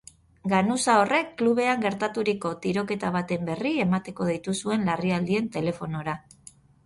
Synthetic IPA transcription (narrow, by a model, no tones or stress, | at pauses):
ɡanusao̞rʔe̞kːluβ̞e̞aŋɡe̞ɾt̪at̪uɾiko̞t̪iɾo̞ke̞t̪aβ̞at̪e̞mbe̞rie̞mat̪e̞ko̞ð̞it̪usue̞nlariald̪ie̞nt̪e̞le̞fo̞no̞ɾa